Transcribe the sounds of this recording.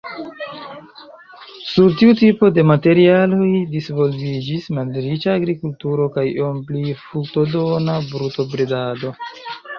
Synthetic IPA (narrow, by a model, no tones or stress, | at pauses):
suɾtiutipo̞de̞mate̞ɾialo̞jdisvo̞lvid͡ʒismalɾit͡ʃaːɡɾikultuɾo̞kajomplifukto̞donabɾuto̞bɾedado̞